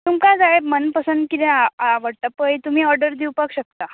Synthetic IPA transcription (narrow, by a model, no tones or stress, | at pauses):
t̪umkad͡zaemənpəsənd̪kit̪ẽaaʋəɽʈ̪apəjt̪um̤iːɔɾɖəɾd̪iwpakɕək̚t̪a